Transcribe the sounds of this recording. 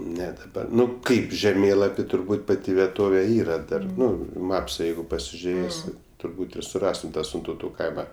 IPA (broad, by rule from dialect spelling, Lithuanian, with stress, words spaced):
ˈnʲɛ dɐˈbɐ ˈnʊ ˈkɐɪp ʒʲɛˈmʲeːlˠɐpʲɪ tʊrˈbuːt ˈpɑːtʲɪ ʋʲiɛˈtoːʋʲɛ ˈiːrɐ ˈdɐr ˈnʊ ɪ ˈmɑːpsɐ ˈjɛɪɡʊ pɐsʲɪʒʲʊˈrʲeːsʲɪ tʊrˈbuːt ɪr sʊˈrɑːstʊm ˈtɑː sʲɪntɐʊˈtuː ˈkɐɪmɐ